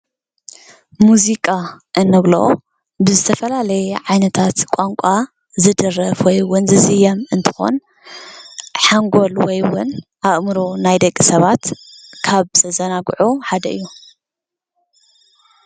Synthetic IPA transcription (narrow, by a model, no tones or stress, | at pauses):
muzikʼaʔɨnːɐɡloʔo | bɨzɨt̪ʰɐfɐlalɐjɛʕajnɐt̪ʰat̪kʷʼaŋkʷʼa | zɨd̪ɨrɐfwɔjwʊnzɨzɨjɐmɨnt̪ʰɨ̥xo̞̰n | ħaŋɡo̞lwɔjwʊnʔaʔmɨɾonajd̪ɐkʼːisɐβat̪kʰaβsɐzɐnaɡʕuħad̪ɐɨjːu